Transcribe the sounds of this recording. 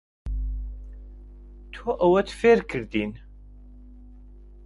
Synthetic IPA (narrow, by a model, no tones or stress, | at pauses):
t̪ʰoʔəwæt̪feɾkʰəɾd̪in